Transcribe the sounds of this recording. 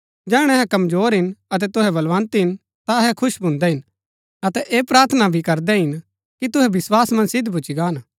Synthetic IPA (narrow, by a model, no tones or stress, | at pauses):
d͡ʒɛːɽ̃ɛɦɛkɐmzoːɾɦɪnɐt̪̬ɛt̪ʊɦɛbɐlʋãːnt̪ɦɪn | t̪aɦɛkʰʊʃbʱʊ̃ːnd̪ɛɦɪn | ɐt̪ɛʔeːpɾaːɾt̪ʰnabʱikɐɾd̪ɛɦɪn | kit̪ʊɦɛbɪswaːsmɐ̃nsɪd̪ʱbʊt͡ʃiɡaːn